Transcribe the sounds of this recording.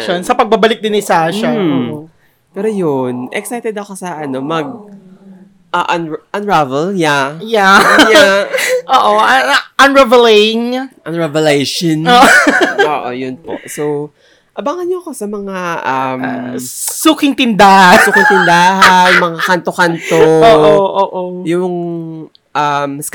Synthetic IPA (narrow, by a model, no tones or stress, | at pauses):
ʃonsɐpɐɡ̚bɐbɐlɪk̚d̪ɪnɪsaʃao | pɛːɾojonʔɛ̰ksajt̪ɛd̪ɐko̞sɐʔɐno̞mɐɡ̚ | ʔɐʔɐnʔɐnɹavɛljajaj | ʔoːʔoʔɐʔɐnɹɛvɛlejɪŋʔɐnɹɛvɛlejʃonoːʔoo̰ːʔo̰jʊnpo̰ʔsow | ʔɐbaŋɐnɲoɐko̞sɐmɐŋaʔɐm | suːkɪŋt̪ɪnd̪aːhasuːkɪŋt̪ɪnd̪aːɦɐnmɐŋaakant̪okant̪oːʔoʔoːʔojʊŋ | ʔams